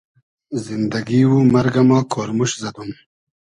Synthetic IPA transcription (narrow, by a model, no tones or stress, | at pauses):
zind̪ɐɡiwumɐɾɡamakʰoːɾmuʃzɐd̪um